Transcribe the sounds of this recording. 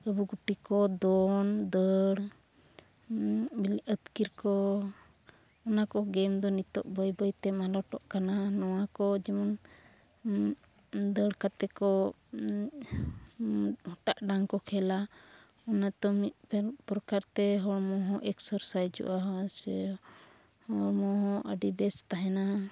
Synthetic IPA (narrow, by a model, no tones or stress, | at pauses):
əbuɡuʈikɔd̪ɔnd̪əɽ | miliʔət̪kiɾkɔ | ɔnakɔɡɛmd̪ɔnit̪ɔ̰ʔbəjbəjt̪ɛmalɔʈɔʔkananɔwakɔd͡ʒɛmɔn | d̪əɽkat̪ɛkɔ | hɔʈaʔɖaŋkɔkʰɛla | ɔnat̪ɔmit̪̚ppɾɔkaɾt̪ɛɦɔɽmɔɦɔ̃ʔɛksəɾsajd͡ʒṵʔaɦɔs | hɔɽmɔɦɔ̃ʔə̰ɖibɛst̪aɦɛna